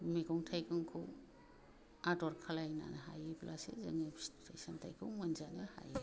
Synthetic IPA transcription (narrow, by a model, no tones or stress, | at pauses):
mikɔŋtʰajkɯŋkʰɯw | adɔɾkʰalajna̰naɦa̰jeplasḛzaŋistʰejsantʰajkʰɯwŋmanzanaha̰je